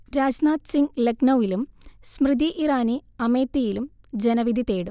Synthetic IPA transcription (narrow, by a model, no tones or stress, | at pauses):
ɾaːd͡ʑnaːt̪siŋɡleɡnɐʋilumsmrɨd̪ʱiʔiraːniɐmeːt̪ːijilum | d͡ʑe̞nɐʋid̪ʱit̪eːɽum